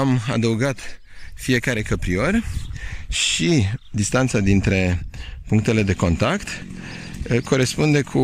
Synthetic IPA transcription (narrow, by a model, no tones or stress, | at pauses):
ama̰d̪əuɡat̪ | fie̞kaɾe̞kəpɾio̞rʲ | ʃid̪ist̪ant̪sad̪int̪ɾe̞puŋk̚t̪e̞le̞d̪e̞ko̞nt̪akt̪ | kʰo̞ɾe̞spund̪e̞kʰu